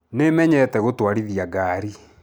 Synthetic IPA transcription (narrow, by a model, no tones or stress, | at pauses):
nemɛɲɛtɛɣotwaɾiðiaɡaːɾi